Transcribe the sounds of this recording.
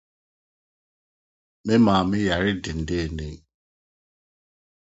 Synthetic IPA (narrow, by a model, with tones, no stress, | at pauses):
mɪ˦ma˨mɪ˦ja˨ɾɪ˦dɪ˨n̩˨dɪ˦e˨ne˦